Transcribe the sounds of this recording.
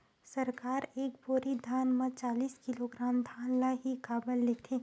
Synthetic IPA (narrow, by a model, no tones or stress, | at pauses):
sɐɾkaːɾeːkboːɾid̪ʱaːnmãt͡ʃaːliːskɪloɡɾaːmd̪ʱaːnlaɦikaːbəlːekt̪ʰe